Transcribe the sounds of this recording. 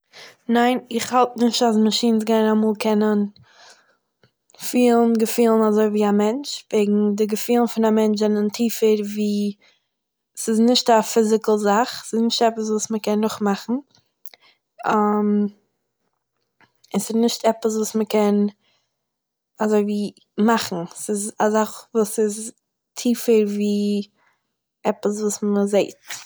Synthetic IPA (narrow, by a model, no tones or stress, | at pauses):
naɪnɪχhalˠtnɪʃtasməʃiːns̬ɡaɪnamuːlˠkʰɛnən | fiːlˠn̩ɡəfiːlˠn̩azoɪviːamɛnt͡ʃveɪɡŋ̩dɪɡəfiːlˠn̩fɪnamɛnt͡ʃzɛnəntʰiːfəɾviː | sɪznɪʃtafɪzɪkl̩ˠzaχsɪsnɪʃtɛpəs̬vuːsməkɛnːʊχmaχn̩ | am | ɪsɪznɪʃtɛpəs̬vuːsməkɛn | azoɪviː | maχn̩sɪzazaχvuːsɪz | tʰiːfəɾviː | ɛpəsvuːsməzeɪt